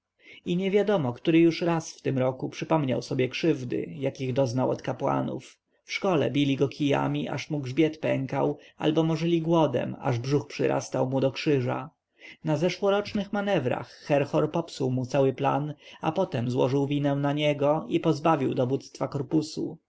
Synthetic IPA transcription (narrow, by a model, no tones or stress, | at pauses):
iɲɛvʲjad̪ɔmɔkt̪uɾɘjuʂɾasft̪ɘmɾɔkupʂɘpɔmɲa̰wsɔbʲjɛkʂɘvd̪ɘ̰jakʲiɣd̪ɔznawɔ̰t̪kapwa̰nṵf | fʂkɔlɛ̰bʲilʲiɡɔkʰʲija̰mʲiʔa̰ʂmuɡʐbʲjɛt̪pɛŋka̰wa̰lbɔmɔʐɘlʲiɡwɔd̪ɛ̰ma̰ʐbʐuxpʂɘ̰ɾʔa̰st̪awmud̪ɔkʂɘʐa̰ | nazɛʂwɔɾɔt͡ʂnɘxmanɛvɾa̰xːɛɾxɔɾpɔpsuwmut̪sawɘpla̰napɔt̪ɛmzwɔ̰ʐɘwvʲinɛ̃naɲɛɡɔipɔzbavʲiwd̪ɔvut̪st̪fakɔɾpusu